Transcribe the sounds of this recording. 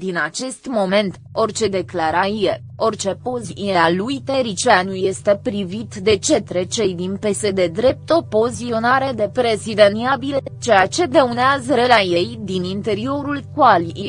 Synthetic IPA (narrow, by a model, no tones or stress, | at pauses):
d̪inat͡ʃe̞st̪mo̞me̞nt̪ | o̞rt͡ʃe̞d̪e̞klaɾajie | o̞rt͡ʃe̞po̞ziealujt̪eɾit͡ʃeanuje̞st̪e̞pɾivit̪d̪e̞t͡ʃe̞t̪ɾe̞t͡ʃe̞jd̪inpe̞sed̪e̞d̪ɾe̞p̚t̪o̞po̞zio̞naɾe̞d̪e̞pɾe̞zid̪eniabilet͡ʃe̞jat͡ʃe̞d̪euneazəɾelaje̞jd̪inint̪e̞ɾio̞ɾulkwali